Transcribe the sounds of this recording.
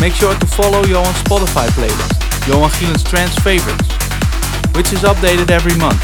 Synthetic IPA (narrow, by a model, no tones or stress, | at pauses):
meɪkʃʊɹtufɑloʊjoʊə̃nspɑɾəfajpleɪbə̰s | joʊə̃nχilə̃nstʰɹæ̃nsfeɪvəɹɪ̰ts | wɪt͡ʃɪzʌp̚deɪɾɨdɛvɹimʌ̃nθ